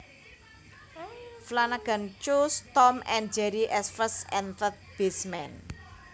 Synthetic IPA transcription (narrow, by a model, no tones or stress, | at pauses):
flanaɡ̥a̤nt͡ʃust̪ɔmɛnd͡ʒɛɾiʔɛsfəsɛnfət̪̚b̥ismɛn